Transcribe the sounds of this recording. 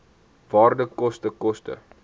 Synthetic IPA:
vɑːrdəkɔstəkɔstə̰

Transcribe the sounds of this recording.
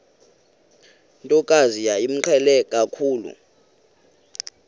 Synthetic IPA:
ntʼɔkʼazijaim̩ǃʰɛlɛkʼakʰuːlṵ

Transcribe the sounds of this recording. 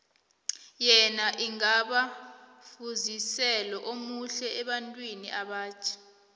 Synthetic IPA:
jɛnaʔiŋaɓafuzisɛlɔʔomuɬɛɛɓantʼwinḭʔaɓaːt͡ʃʰḁ

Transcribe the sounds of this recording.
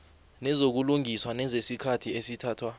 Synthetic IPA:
nɛzok̬uluŋiswanɛzesikʰatʰiesitʰaːtʰwa

